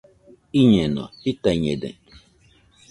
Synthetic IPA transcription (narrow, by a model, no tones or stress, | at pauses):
iɲɛnɔ̰titaɲḛdḛ